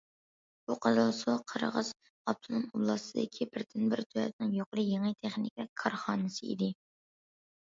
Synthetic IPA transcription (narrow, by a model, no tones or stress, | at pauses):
b̥uqʰɑzɑlˠsuqʰəɾə̰ʁəz̥ | ɑp̚t̪ʰɨnɨŋublˠɑsɨd̪ɪkʲʰibɪɾd̪ʰɪnbɪɾt̪ʰyɛ̰p̪nɪŋjoqɾɨjeŋɨt̪ʰɛχnɪkʲɛkʰɑɾχɑːnɨsɨḭd̪ɪ